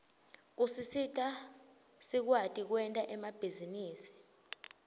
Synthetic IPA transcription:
usisitʼa | sik̬watʼik̬wɛntʼaʔɛmab̥ʱiziniːsi̥

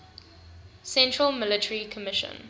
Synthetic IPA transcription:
sɛ̃ntɹəlmɪlɪtʰəɹikʰəmɪʃə̰̃n

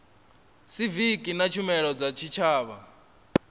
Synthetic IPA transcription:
sivikʼinat͡ʃʰumɛɺɔd͡zat͡ʃʰit͡ʃʰaːβa

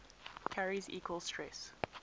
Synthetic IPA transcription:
kʰaɹizḭːkwəlˠstʰɹɛs

